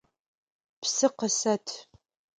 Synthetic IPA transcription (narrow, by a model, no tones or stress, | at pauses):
psɨqəsɐtʰ